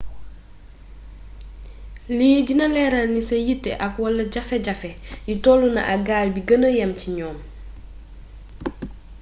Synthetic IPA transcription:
liɟinɐlɛːɾɐlnisɐjitːɛʔɐkwɔlːɐɟɐfɛɟɐfɛjutɔːlunɐ̰ʔaɡaːlbiɡənəjɐmciɲɔːm

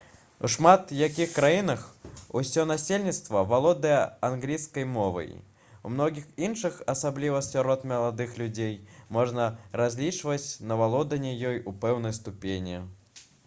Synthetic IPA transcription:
ṵʂmat̪jak̬ʲixkɾajinɐxṵsʲɔnasʲelʲnʲit̪st̪vɐvalˠɔd̪ɐjɛanɣlʲijskɐjmɔvɐ̰j | umnɔɣʲixinʂɨxɐsablʲivɐsʲɔɾɔt̪mʲɐlˠad̪ɨxlʲud͡zʲejmɔʐnɐrazʲlʲit͡ʂvɐt͡sʲnɐvalˠɔd̪ɐnʲɛjɔjupɛwnɐjst̪upʲenʲi

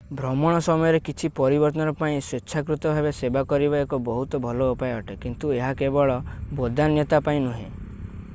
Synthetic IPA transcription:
bʱɾɔmɔɽ̃ɔsɔmɔjɔɾekit͡ʃʰipɔɾibɔɾt̪ɔnɔɾɔpaĩsɾetːʃʰakɾut̪ɔbʱabesebakɔɾibaekɔbɔɦut̪ɔbʱɔloupajeɔʈekint̪ueɦakebɔɭɔbod̪ʱanjɔt̪apaĩnuɦḛ̃

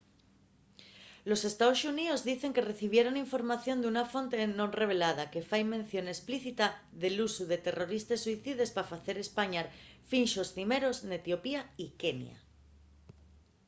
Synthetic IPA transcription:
lo̞se̞st̪aosuniðo̞zðiθe̞ŋke̞re̞θiβ̞je̞ɾo̞niɱfo̞ɾmaθjo̞nd̪eunafo̞nt̪e̞nõ̞nre̞β̞e̞lað̞ake̞fajmẽ̞n̟θjo̞ne̞spliθit̪a | ðe̞lusuðe̞t̪e̞ro̞ɾist̪esːuiθið̞e̞spafaθe̞ɾe̞spaɲaɾfinʃo̞sθime̞ɾo̞znet̪jo̞piaike̞nj̰a̰

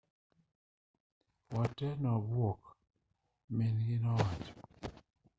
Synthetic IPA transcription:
wɔtɛnɔbwok | menɡinɔwat͡ʃɔ̥

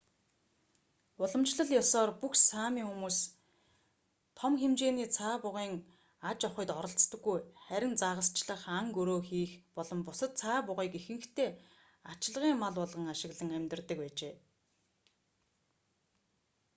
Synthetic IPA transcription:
ʊɮɞ̆mt͡ɕɮə̆ɮjɔsɔːrpuxsaːmiːŋxumuːs | t̪ʰɔmxemt͡ɕeːniːt͡sʰaːpʊʁiːŋ | at͡ɕɔχɪ̆jt̪ɔɾɞ̆ɬt͡st̪ə̆ɡːujχæɾʲɪ̆nt͡saʁə̆st͡ɕɮə̆χaŋkɵɾoːxiːxpɔɮɞ̆mpʊsə̆t̪̚t͡sʰaːpʊʁiːkixɘ̆ŋkt̪ʰeː | at͡ɕɪɮʁiːŋmaɮɔɮʁə̆ŋaʃɪ̆ɣɮə̆ŋæmʲt̪ə̆rt̪ə̆k̚pæːt͡ɕeː

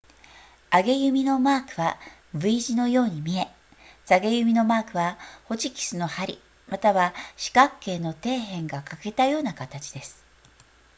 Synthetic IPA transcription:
aɡe̞jɯ̟mʲino̞maːkɯ̟βabɯ̟iʑino̞jo̞ːɲ̟imʲie̞ | saɡe̞jɯ̟mʲino̞maːkɯ̟βaho̞t͡ɕikʲi̥sɨno̞haɾʲḭ | mat̪aβaɕi̥kakːe̞ːno̞t̪e̞ːɦẽ̞ŋɡakake̞t̪ajo̞ːnakat̪at͡ɕi̥d̪e̞sɨ̥

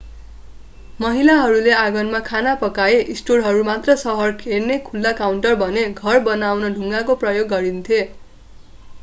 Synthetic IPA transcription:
mʌɦilaɦʌɾuleaɡʌnmakʰanapʌkaeʔisʈorɦʌɾumat̪rʌsʌɦʌrkʰernekʰulːakawɳʈʌrbʱʌneɡʱʌrbʌnawnʌɖʱuŋɡakoprʌjoɡːʌɾint̪ʰje

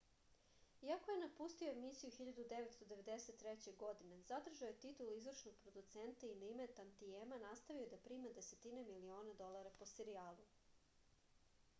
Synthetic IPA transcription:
iako̞jenapust̪ioemisijuxiʎad̪ud̪eʋet̪st̪od̪e̞ʋe̞d̪eset̪ːɾet͡ɕeɡo̞d̪inezad̪r̩ʒaojet̪it̪ulizvrʃnoɡ̚pɾod̪ut̪sent̪ainaimet̪ant̪iemanast̪aʋiod̪apɾiːmad̪e̞set̪inamilio̞ːnad̪o̞lˠaɾapo̞seɾiaːlˠu

